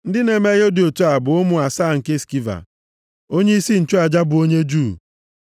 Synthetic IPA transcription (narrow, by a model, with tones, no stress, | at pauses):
n̩˦dɪ˦ne˨me˦ɣo˦di˨o˨tu˦a˨bʊ˨ʊ˦mʊ˨a˨saː˦˨ŋ̩˨ke˦ski˦va̰˨ | o˦ɲe˦i˦si˦n̩˨t͡ʃo˦a˨d͡ʒa˦bʊ˨o˦ɲe˦d͡ʒu˦˨